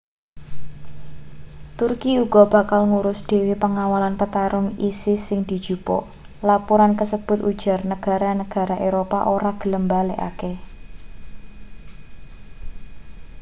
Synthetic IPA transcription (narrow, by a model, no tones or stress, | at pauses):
t̪urkiuɡ̥ɔ̤b̥a̤kalŋuɾʊsd̪̥e̤wipəŋawalanpət̪aɾʊŋisɪhsɪŋd̪̥i̤d̥ʒ̥upɔ̰ʔ | lapuɾankəsəb̥ʊ̤t̪ʔud̥ʒ̥a̤rnəɡ̥a̤ɾanəɡ̥a̤ɾaʔeɾopa̰ʔoɾaɡ̥ə̤ləmbaleʔa̰ke